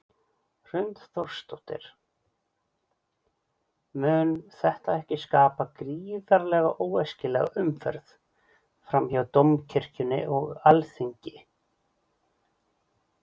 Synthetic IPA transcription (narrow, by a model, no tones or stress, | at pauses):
r̥ʏnt̪θor̥st̪owht̪ɪ̰ɾ̥ | mʏːnθɛht̪aɛhcɪskaːpakɾiːðaɾlɛɣaʔoːwɛscɪlɛ̰ɣa̰ʏmfɛ̰ɾθ | fɾamçawt̪omcʰɪr̥cʏnɪ̰ʔɔɣalθiɲcɪ